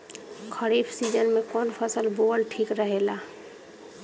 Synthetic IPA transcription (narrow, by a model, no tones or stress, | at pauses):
kʰəɾiːbsiːd͡ʒənmẽkɔːnpʰəsəlboːlʈʰiːkɾəɦeːlaː